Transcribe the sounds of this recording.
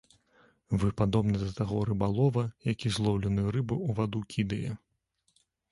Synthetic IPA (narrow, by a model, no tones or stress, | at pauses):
vɨpad̪ɔbnɐd̪ɐt̪aɣɔɾɨbalˠɔvɐjakʲizlˠɔwlʲɛnɨjuɾɨbɨuvad̪ukʲʰid̪ɐjɛ